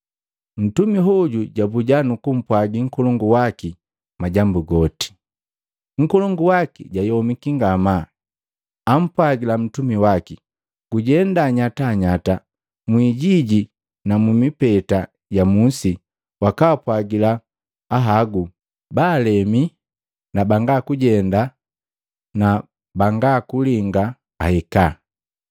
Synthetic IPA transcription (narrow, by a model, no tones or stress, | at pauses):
n̩tumiɦɔɟuɟabuɟanukum̩pwaɡiŋ̩kɔlɔŋɡuwaki | maɟambuɡɔti̥ | ŋ̩kɔlɔŋɡuwakḭɟajɔmikiŋɡamaː | m̩pwaɡilam̩tumiwaki | ɡ̥uɟɛndaɲataɲata | mwiɟiɟi | namumipɛta | ɟamusi | wakaːpwaɡilaː | ɦaɡu | baːlɛmi | nabaŋɡakuɟɛnda | na | baŋɡakuliŋɡaː | hɛka